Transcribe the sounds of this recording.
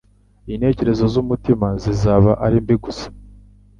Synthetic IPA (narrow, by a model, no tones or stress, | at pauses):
inhe̞ːce̞ɾe̞zo̞zumutimazizaːβaʔaɾimbiɡusḁ